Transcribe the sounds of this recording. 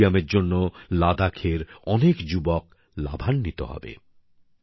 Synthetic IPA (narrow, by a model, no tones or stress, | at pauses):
ameɾd͡ʑonːolad̪akʰeɾɔnekd͡ʑubɔk̚ | la̰bʱanːit̪o̰ɦɔ̰bḛ